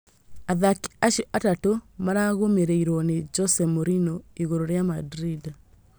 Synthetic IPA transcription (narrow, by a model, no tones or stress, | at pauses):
aðaki̥aʃiʔatatomaɾaɣomeɾeiɾɔned͡ʒɔsɛmoɾinɔiɣoɾoɾjamadɾid